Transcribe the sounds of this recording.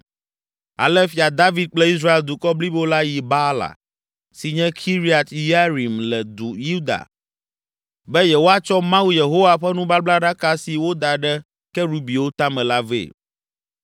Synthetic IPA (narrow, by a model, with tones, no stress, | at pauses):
a̰˨lɛ˦fi˨a˨d̪a˦vi˦d̪̚k͡plɛ˦i˦sɾa˦e˨ld̪u˨kɔ˦bli˦bo˦la˦ji˨ba˦la̰˨ | si˨ɲɛ̃˦kʰi˦ɾi˦a˨t̪ja˦ɾi˨mlɛ˨d̪u˨ju˦d̪a̰˨ | bɛ˦jɛ˨wo˦a˦t͡ʃɔ˦mã˦wu˦je˨ɦo˦wa˨ɸɛ˦nũ˦ba˦bla˦ɖa˦ka˦si˨wo˦d̪a˨ɖɛ˦ | kɛ˦ɾu˦bi˨wo˦t̪a˦mɛ̃˨la˦vḛː˨